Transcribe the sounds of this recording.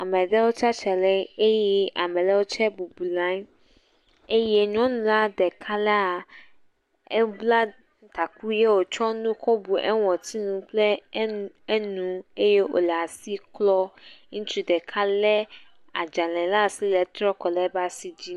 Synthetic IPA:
a˨mɛ̃˨dɛ˦wo˦t͡ʃa˦t͡ʃɛ˨lɛ˦e˦jɛ˦a̰˨mɛ̃˨lɛ˦wo˦t͡ʃɛ˦bu˨bu˨lã˦ɲ | e˦je˦ɲɔ̃˦nũ˨la˦dɛ˨kʰa˦lɛ˦a˨ | e˦bla˦ | t̪a˨ku˦je˦wo˨t͡ʃɔ˦nũ˦kɔ˦bu˨ʔɛ̰˦wɔ̃˨t̪i˦nũ˦k͡ple˦ | e˦nũ˦e˦je˦o̰˨lɛ˨a˨si˦klɔ˦ŋũ˦t͡ʃu˦dɛ˨kʰa˦lɛ˦ | a˨d͡ʒa˨lɛ̃˨la˦˨si˦lɛ˨t̪ɾɔ˦kɔ˨lɛ˦ba˦si˦d͡ʑi˦

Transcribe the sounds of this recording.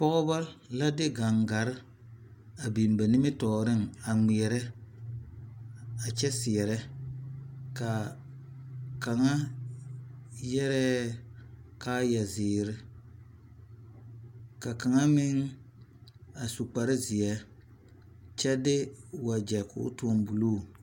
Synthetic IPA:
pɔ˦ɣʊ˦ba˦la˦dɪ˦ɡa˨ŋɡa˨ɾɪ˦ | a˨bi˨m˨ba˨nɪ˦mɪ˦tɔː˨ɾɪ˦˨ŋa˨mi˨ɛ˨ɾɛ˦ | a˨t͡ʃɛ˦sɪ˨ɛ˨ɾɛ˦ | ka˨ | ka˨ŋa˦ | jɛ˦ɾɛː˦ | kaː˦ja˨zɪː˨ɾɪ˦ | ka˨ka˨ŋa˦mɪ˦ŋ | a˨su˨k͡pa˨ɾɪ˦zɪ˨ɛ˦ | t͡ʃɛ˦dɪ˦wa˨d͡ʒɛ˨kʊ̰˨˦tu˨˦ɔ˦˨mbu˨loː˦˨

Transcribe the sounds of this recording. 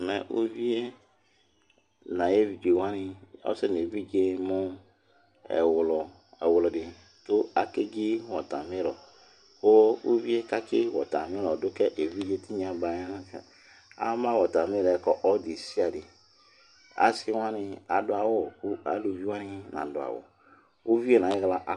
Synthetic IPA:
mɛ˨ʔṵ˦vi˦e˦ | nã˨je˦vi˨d͡ʒe˨wa˦nɪ˨ɔ̰˦se˦n˨e˨vi˦d͡ʒe˦mʊ˦ | ɛ̰˨wlɔ˨ | ɛ˨wlɔ˨dɪ˨ | tʊ˦a˨ke˦ɡi˦wɔ˨ta˨mĩ˦ɾɔ˨ | ko˦ṵ˦vi˦e˦ka˦kɪ˦wɔ̰˨ta˨mĩ˦ɾɔ˨dʊ˦kɛ˦ʔe˨vi˦d͡ʒe˦ti˦ɲ˦a˨ba˨˦a˦n˦ɛ˨ | a̰˦mã˦wɔ˨ta˨mi˦˨ɾɛ˨˦kɔ˨ʔɔ˦di˨si˦a˨dɪ˨ | a̰˨˦si˦wa˦nɪ˧a˨dʊ˦a˨wo˦˨ku˦a̰˨lu˨vi˦wa˦nɪ˦nã̰˨dʊ˨a̰˨wɔ̰˨ | u˦vi˦e˦˨nã˨je˦ɣla˦ʔ

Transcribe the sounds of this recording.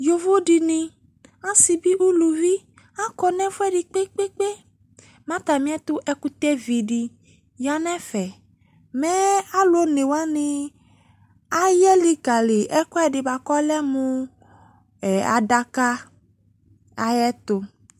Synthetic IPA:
jo˨vo˦ɖi˨nĩ˨ | a˦si˨bi˦ʔu˦lu˨vi˦ | a˦kɔ˨nɛ̃˦fo˦ɛ˦ɖi˨k͡pe˦k͡pe˦k͡pe˦ | mã˦t̪a˨mĩ˦ɛ˦t̪o˦ʔɛ˦ku˦t̪ɛ˦vi˨ɖi˨ | ja˨nɛ̃˦fɛ˨ | mɛ˦a˦lo˦ne˨wa˦nẽ˦ | a˦jɛ˦li˦ka˨le˨ʔɛ˦kɔ˦ɛ˨ɖe˨ba˨kɔ˦lɛ˦mũ˦ | ɛ˨a̰˨ɖa˦ka˦ | a˨jɛ˦t̪o˨

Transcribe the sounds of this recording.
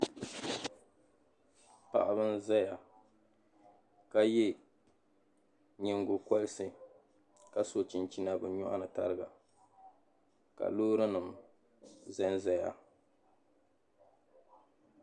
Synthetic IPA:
pa̰˨ʔa˨bɨ˦n˦zɛ˦ja˨ | ka˦jɛ˦ | ɲɪ˦ŋɡʊ˨ka˦lɪ˦sɨ˨ | ka˨so˦˨t͡ʃi˨nt͡ʃi˦na˦bɨ˨ɲɔ˦ʔa̰˦nɨ˨ta̰˦ɾɨ˦ɡa˨ | ka̰˨loː˦ɾɨ˦nɨ˨m | zɛ˦nzɛ˦ja̰˨

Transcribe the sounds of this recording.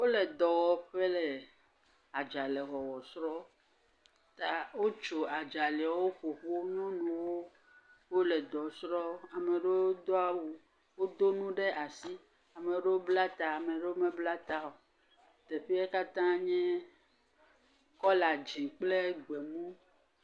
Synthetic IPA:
wo˦le˨d̪ɔ˨wɔ˨˦ɸe˦lɛ˨ | a˨d͡ʒa˨le˨ɣɔ˨wɔ˨sɾɔ˦ | t̪a˨wo˦t͡ʃo˨a˨d͡ʒa˨le˨a˨wo˦ɸo˨ɸo˦nɔ̃˦nũ˨wo˦ | wo˦lɛ˨d̪ɔ˨sɾɔ˦a˨me˨ɖe˦o˦d̪o˦a˨wu˨ | wo˦d̪o˦nũ˦ɖe˦ʔa˨si˦ | a˨me˨ɖe˦wo˦bla˦t̪a˨a˨mẽ˨ɖe˦wo˦mẽ˦bla˦t̪a˦o˨ | t̪e˨ɸi˦e˦ka˦t̪ã˦ɲɛ̃˦ | kɔ˦la˨d͡ʒi˨k͡ple˦ɡ͡be˨mũ˦

